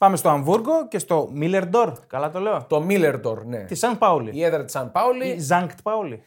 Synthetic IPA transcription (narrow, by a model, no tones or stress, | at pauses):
pɐme̞st̪o̞ɐɱvuɾɣo̞ce̞st̪o̞mile̞ɾd̪o̞ɾkɐlɐt̪o̞le̞ot̪o̞mileɾd̪oɾnḛt̪isɐn̚pɐwlḭieðɾɐt̪i̥sɐnpɐwlizɐŋkt̪pɐuli